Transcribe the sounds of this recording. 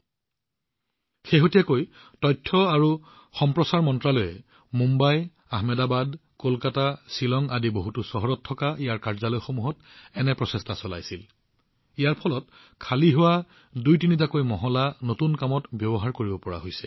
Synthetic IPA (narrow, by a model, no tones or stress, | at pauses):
xeɦotijakoj | tɔjtʰːɔaɹu | xɔmpɹɔsaɹmɔntɹalojɛ | mumbaj | aɦmɛdabadkolkatasilɔŋadiboɦutusɔɦɔɹɔtʰːɔkaijaɹkaɹzalojxomuɦɔt | ɛnɛpɹɔsɛstasɔla̰jsil | ijaɹpʰɔlɔt̚ | kʰaliɦʊwa | dujtinizakojmɔɦɔlanotunkamɔtbjɔbɔɦaɹkoɹibɔpɔɹa̰ɦojsɛ̥